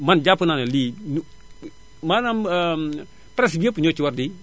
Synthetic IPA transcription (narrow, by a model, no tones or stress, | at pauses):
mand͡ʒapunanalin | manam | pɾɛs̬biepuɲot͡ʃiwaɾdi